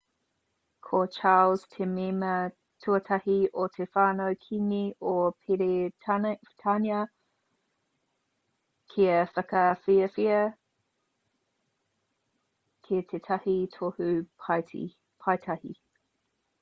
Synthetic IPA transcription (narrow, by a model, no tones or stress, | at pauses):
kʰot͡ʃʰaːlz̥tʰememɐ | tʰuətʰɐhiʔotʰefaːnowkʰiniopʰeɾe | tʰaniɐ | kʰiɐfɐkɐfiəfiə | kʰet̪ʰetʰɐhitʰohʉpʰa | pʰɐjtʰɐhḭ